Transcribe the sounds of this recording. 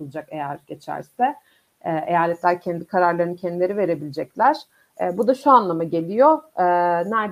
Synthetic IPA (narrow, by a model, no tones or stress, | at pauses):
ulˠd͡ʒake̞jæɾ̥ɟe̞t͡ʃʰæ̰ɾsɛ | ɛʔe̞jaːlʲɛt̪lʲæɾcʰɛnd̪ikʰaɾaɾlˠaɾɯnɯcʰɛnd̪ilʲe̞ɾive̞ɾe̞bilʲed͡ʒɛclʲæɾ̥ | ɛbud̪aʃuanlˠamaɟe̞lʲijo̞ː | næɾ